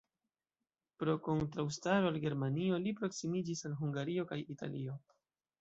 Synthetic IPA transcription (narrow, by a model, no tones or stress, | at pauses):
pɾo̞ko̞ntɾawstaɾo̞alɡe̞ɾmanio̞lipɾo̞ksimid͡ʒisalɦuŋɡaɾio̞kajitʰa̰lio̞